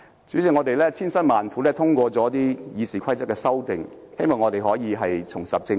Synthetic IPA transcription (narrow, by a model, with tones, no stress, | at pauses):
t͡syː˨˥t͡sɪ˨˥ŋɔː˨˧t̪e˨jlɛː˥t͡sʰiː˥nsɐ˥nmaː˨nfuː˨˥lɛː˥t̪ʰʊ˥ŋkʷɔː˧t͡sɔː˨˥t̪iː˥jiː˨˧siː˨kʰɐ˥jt͡sɐ˥kːɛː˧sɐ˥wt̪ɪ˨ŋ | he˥jmɔː˨˩ŋɔː˨˧t̪e˨jɦɔː˨˥jiː˨˧ɦɐ˨jt͡sʰʊ˨˩ŋsɐ˨p̚t͡sɪ˧